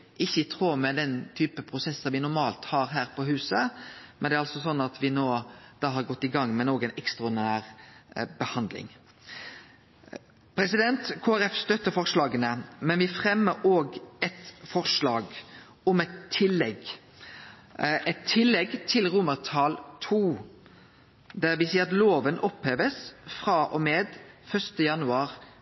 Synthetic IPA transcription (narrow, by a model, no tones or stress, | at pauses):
ʔɪçːəɪt̪ʰɾuːmɛd̪ɛnt̪ʰyːpəpʰɾʊsɛsːəʋɪnʊɾmɑːlt̪hɑːɾɦæːɾpʰɔhʉːsəmɛnd̪ɛːɾɑlsɔsɔnːɑt̪ʰʋɪnoːd̪̥ɑːɦɑɾɡɔt̪ːɪɡɑŋːmɛnoːɡəɛɪnʔɛkst̪ʁʊd̪næːɾbəhɑnd̪lɪ̰ŋ | pʰɾɛsɪd̪ɛnt̪kʰoːæɾɛfst̪œt̪ːəfɔʁʂlɑːɡənəmɛnʋɪfʁɛmːəɾoːɡɛt̪fɔʁʂlɑːɡ | ʊmɛt̪t̪ʰːɪlːɛɡ | ɛt̪ʰːɪlːɛɡt̪ʰɪlʁʊmːəʁt̪ʰɑːlt̪ʰuː | d̪æɾʋɪsiːəɑt̪loːʋənʔɔpheːʋəsfɾɑːʔɔmeːd̪fœʂt̪əjɑnʉɑːʁ